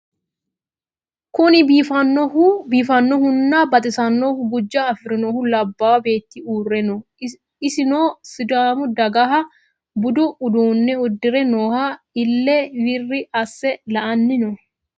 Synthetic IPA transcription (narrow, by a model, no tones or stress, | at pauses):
kʊnɪbiːfɐnɔubiːfɐnːɔhʊnːaːbɐt̪ʼɪsɐnːohʊɡʊd͡ʒːɐːfɪɾɪnɔhʊlɐbːaːwɐbe̞ːt̪ːiuːrːɛnɔ | ɪsɪnoːsɪd̪aːmʊd̪ɐɡɐɦɐ | bʊd̪ʊːd̪uːnːɛʊd̪ːɪɾɛnoːha | ɪlːɛwɪrːɪʔɐsːɛlɐʔɐnːɪnɔ